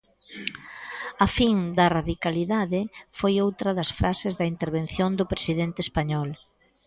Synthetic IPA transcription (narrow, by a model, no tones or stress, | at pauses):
ɐfiŋd̪ɐraðikaliðaðɪfojowt̪ɾɐðɐsfɾasɪzðɐint̪eɾβenθjond̪ʊpɾesiðent̪ɪeːspaɲɔl